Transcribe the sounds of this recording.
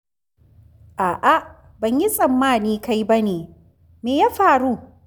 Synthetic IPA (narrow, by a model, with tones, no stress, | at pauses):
ʔaː˨ʔa˦˨ʔ | bɐ˨ɲji˦sʼɐ˨mːaː˦˨niː˦ka˦jbɐ˦neː˨ | meː˨jaː˦ɸaː˨ɾuː˦